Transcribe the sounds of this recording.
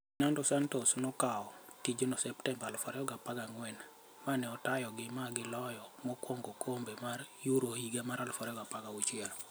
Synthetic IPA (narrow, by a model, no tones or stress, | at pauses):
nandɔsantosnɔkaɔtid͡ʒonɔsɛptɛmbalfɔɾɛɔɡapaɡaŋwɛn | manɛɔtajɔɡɪmaɡɪlɔjɔmɔkoŋɡokʰombemaɾjuɾohiɡamaɾalfɔɾɛɔɡapaɡaut͡ʃɪɛl